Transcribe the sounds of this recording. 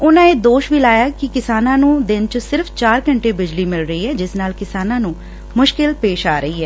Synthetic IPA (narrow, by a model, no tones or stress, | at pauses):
ʊnãːeːd̪oːʃʋiːlaːjaːkɪkɪsaːnãːnũːd̪ɪnt͡ʃəsɪɾfʰt͡ʃaːɾkəɳʈeːbɪd͡ʒliːmɪlɾəiːɦɛːd͡ʒɪsnaːlkɪsaːnãːnũː | mʊʃkɪlpeːʃaːɾəɦiːɦɛː